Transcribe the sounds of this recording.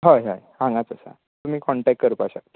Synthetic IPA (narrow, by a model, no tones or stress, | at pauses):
ɦajɦaj | ãŋɡat͡səsa̰ | t̪um̤iːkɔɳʈɛk̚kəɾupaɕa